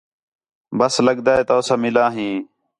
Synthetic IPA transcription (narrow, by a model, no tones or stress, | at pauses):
bəsləɡd̪aːeːt̪oːsaːmɪlaːɦĩː